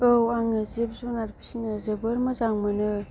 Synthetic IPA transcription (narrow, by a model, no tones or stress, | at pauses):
ɯwaŋɯzibzunaɾpʰi̥sinazɯbɯɾmɐzaŋmɯnɯ